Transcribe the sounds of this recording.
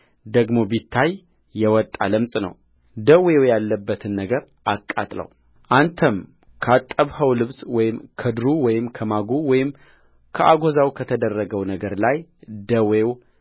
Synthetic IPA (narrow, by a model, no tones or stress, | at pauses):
d̪əɡmo̞bit̪ʰːajː | ɛwɔt̪ʼːa̰ləmsʼnə̰w | d̪əwewjalːəbːət̪ʰɨnːəɡəɾ | ʔakʼːa̰t̪ʼlə̰w | ʔant̪ʰəm | kʰəat̪ʼːəβhəwlɨβswɔjɪmkʰəd̪ɾuwɔjɪmkʰəmaɡuwɔjɪm | kʰəʔaɡozawkʰət̪ʰəd̪ərːəɡəwnəɡəɾlajd̪əwew